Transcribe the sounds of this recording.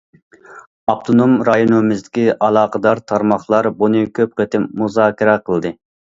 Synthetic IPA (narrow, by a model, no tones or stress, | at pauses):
ɑpt̪ʰonomɾɑjonumɪzd̪ɪkʲiʔɑlˠɑːqəd̪ɑɾt̪ʰɑɾmɑχlˠɑɾbunɨkʲʰøp̚qət̪ɪmmuzɑːkʲiɾɛqʰəlˠd̪ɨ